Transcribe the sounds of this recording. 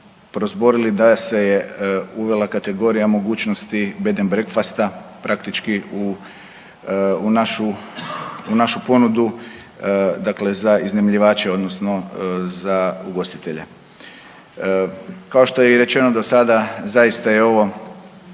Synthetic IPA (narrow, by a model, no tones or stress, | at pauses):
pɾozbo̞ɾilid̪ase̞jeuʋe̞lakat̪e̞ɡo̞ɾijamo̞ɡuːt͡ʃnost̪ibe̞d̪enbɾekfast̪apɾʔakt̪it͡ʃkiu | unaʃu | unaʃupo̞nud̪u | d̪akle̞zaiznemʎiʋaːt͡ʃeo̞d̪no̞sno̞zauɡo̞st̪it̪e̞ʎḛ | kao̞ʃt̪o̞jeiɾe̞t͡ʃe̞no̞d̪o̞sad̪azaist̪ajeo̞ʋo̞